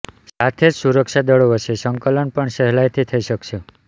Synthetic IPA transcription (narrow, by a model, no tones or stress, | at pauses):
sat̪ʰed͡ʒsuɾəkʃad̪əɭoəʃʰesəŋkələɳpəɳʃəɦlajt̪ʰit̪ʰəiʃəkʃe